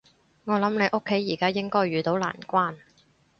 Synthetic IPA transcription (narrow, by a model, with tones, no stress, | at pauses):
ŋɔː˨˧lɐ˨˥mne˨˧jʔo˥kʰːe˨˥jːiː˨˩kaː˥jɪ˥ŋkɔː˥jɥyː˨˧t̪o˨˥wla̰ː˨˩nkʷaː˥n